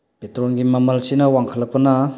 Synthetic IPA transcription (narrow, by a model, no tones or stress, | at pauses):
petɾɔnɡimɐmɐlsinɐwaŋkʰəlɐk̚pɐna